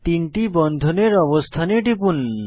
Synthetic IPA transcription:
t̪iɳʈibɔnd̪ʱoneɾɔbost̪ʰaneʈipun

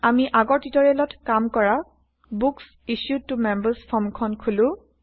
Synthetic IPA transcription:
amiʔaɡɔɹtitɔɹɛlɔtʰkamkɔɹa | buks | isjutːumɛmbəspʰɔmkʰɔnkʰulʊ̃

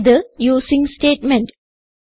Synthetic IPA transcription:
d̪əjuːsɪ̃ŋsʈeːʈmɛ̃ɳʈ

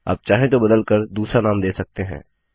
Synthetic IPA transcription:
a̰ːp̚t͡ʃaːɦẽt̪̬obɐd̪əlkəɾd̪uːsɾanaːmd̪eːsɐk̚t̪eɦɛ̰̃ː

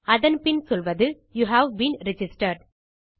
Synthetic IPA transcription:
ɐðɐnpɪnsɔlʋɐðɯ | juːɦæʋbĩːnɾɪd͡ʒɪsʈɐɾɖ

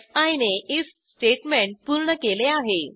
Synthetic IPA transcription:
aineis | sʈeʈmeɳʈ̚puɾɳəkeleaɦe

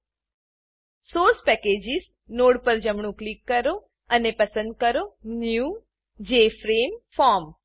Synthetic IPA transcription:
soːɾspɛked͡ʒɪz | noːɽpəɾd͡ʒəmɳũklikːəɾo | ənepəsə̃nd̪̚kəɾonju | d͡ʒeːfɾeːmfaːɾm

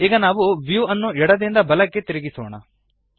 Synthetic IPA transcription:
iːɡɐnaːʋuʋjuɐnːuɛɽɐd̪ind̪ɐbɐlɐkːe̞t̪iɾiɡisɔ̰ːɳɐ̰

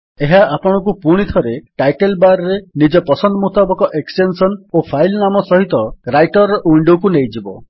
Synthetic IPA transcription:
eɦaapɔɽ̃ɔk̬upuɽ̃it̪ʰɔɾeʈajʈelbaɾɔɾenid͡ʒɔpɔsɔnd̪ɔmut̪abɔkɔʔeksʈensɔnopʰajlnamɔsɔɦit̪ɔɾajʈɔɾɔʔwiɳɖokunejd͡ʒibɔ̰

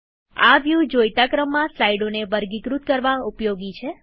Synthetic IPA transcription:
a̰ʋjud͡ʒojt̪akɾəmːãslaiɖonebəɾɡikɾut̪̚kəɾʋãupjoɡit͡ʃʰe

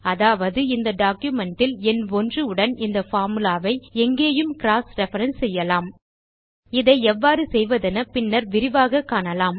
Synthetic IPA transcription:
ɐðaːʋɐðɯɪnd̪ɐɖaːkjɯmɛɳʈːɪlɛnɔndrɯɯɽɐnɪnd̪ɐfaːɾmɯlaːʋɐɪɛŋɡeːjɯmkɪɾaːsɾɛfɐɾɐnsɛjːɐlaːm | ɪðɐɪɛʋːaːɾɯsɛjʋɐðɛnɐpɪnːɐɾʋɪɾɪʋaːɣɐkːaːɳɐlaːm

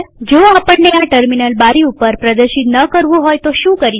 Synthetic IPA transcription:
d͡ʒoapəɳːeaʈəɾminəlbaɾiupəɾpɾəd̪əɾʃit̪nəkəɾʋũɦojt̪oʃũkəɾi

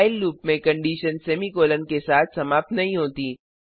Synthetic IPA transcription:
ɪlɾuːpmẽkɐ̃ɳɖiːʃənsɛːmikoːlənkesaːt̪̚ʰsɐmaːp̚t̪nɐɦĩɦoːt̪iː

